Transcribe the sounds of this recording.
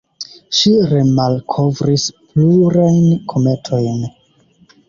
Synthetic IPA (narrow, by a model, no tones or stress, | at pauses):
ʃiɾe̞malkʰo̞vɾispluɾajnkʰo̞me̞tʰo̞jn